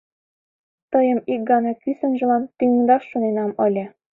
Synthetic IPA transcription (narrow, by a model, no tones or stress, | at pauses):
t̪ɤjɤ̆mik̚ɡɑnɑkysə̆nʒɤ̆lɑnt̪yŋ̆ŋd̪ɑʃːunenɑmɤ̆lʲĕ